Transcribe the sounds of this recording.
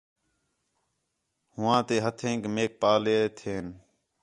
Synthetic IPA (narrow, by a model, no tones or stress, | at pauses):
hʊʋãːt̪eːɦət̪ʰẽːŋkmeːk̚paːleːt̪ʰeːn